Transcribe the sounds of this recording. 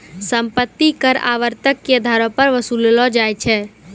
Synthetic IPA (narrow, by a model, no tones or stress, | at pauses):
səmpət̪ːikəɾa̰ʋəɾt̪əkːed̪ʱaɾɔ̃pəɾʋəsulelɔd͡ʒajt͡ʃʰɛ